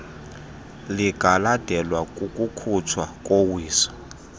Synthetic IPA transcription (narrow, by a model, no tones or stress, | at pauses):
liɡ̥ʱalad̥ʱɛlwakʼukʼukʰutʰwakʼowiːsɔ̥